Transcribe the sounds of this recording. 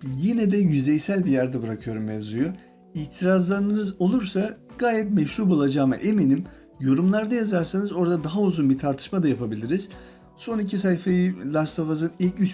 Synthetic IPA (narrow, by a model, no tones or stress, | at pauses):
jinɛd̪ɛjyzɛjsælʲbijæɾd̪ɛbɯɾakʰɯjo̞ɾumjezujo | iːt̪ʰiɾazlˠaɾɯnɯnɯzo̞lˠuɾsaɡ̥aːjɛt̪̚mɛʃɾuɾbulˠad͡ʒaːma̰ʔe̞menim | jo̞ɾumlˠaɾd̪ajazaɾsanɯzo̞ɾd̪ad̪aɦauzunbit̪ʰaɾt̪ʰɯ̥ʃmad̪ajapʰabilʲiɾiz̥ | so̞nicʰis̬ajifajilʲˠast̪ʰo̞fazɯnilʲcyt͡ʃ